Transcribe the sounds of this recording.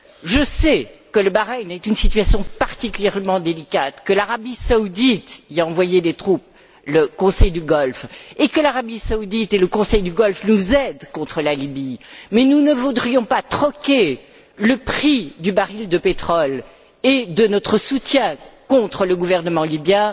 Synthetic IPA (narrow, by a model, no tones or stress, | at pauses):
ʒəsɛkələbaʁɛnɛt̪ynsit̪ɥasjɔ̃paʁt̪ikʲyljɛʁmɑ̃d̪elikat̪kəlaʁabisaud̪it̪iaɑ̃vwajed̪et̪χup̚ | ləkɔ̃sɛjd̪yɡɔlfekəlaʁabisaud̪it̪eləkɔ̃sɛjd̪yɡɔlfnuzɛd̪kɔ̃t̪χəlalibimɛnunəvud̪ʁijɔ̃pat̪χɔkʲe | ləpχid̪ybaʁild̪əpet̪χɔl | ed̪ənɔt̪χəsut̪jɛ̃kɔ̃t̪χələɡuvɛʁnəmɑ̃libjɛ̃